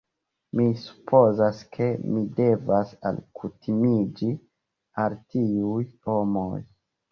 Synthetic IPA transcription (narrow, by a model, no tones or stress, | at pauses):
misu̥pʰo̞zaskʰe̞mide̞vasa̰lkʰutʰimid͡ʒi | altiujhomoj